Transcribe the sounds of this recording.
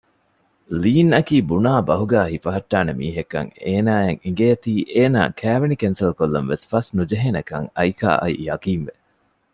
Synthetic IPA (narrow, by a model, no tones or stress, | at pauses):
liːnɐkiːbunaːbɐɦuɡæːɦifɐɦɐʈːaːnemḭːɦekːɐ̰ŋeːnaːeŋiŋɡeːɐt̪iːʔeːna̰ːkʰæːʋenikensɐlkolːɐnʋesfɐsnud͡ʒɐɦenɐkɐŋɐjka̰ːʔɐ̰ḭjɐkiːnʋe